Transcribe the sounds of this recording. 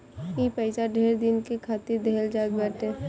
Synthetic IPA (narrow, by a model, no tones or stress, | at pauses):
kipəɪsaɖʱeːɾd̪ɪnkekʰaːt̪ɪɾd̪ʱeːld͡ʒaːɡbɛːʈ̪ɛ̃ː